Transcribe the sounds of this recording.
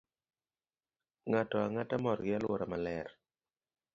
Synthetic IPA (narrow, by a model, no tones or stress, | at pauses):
ŋatɔaŋatamɔɾɡɪalwoɾamalɛɾ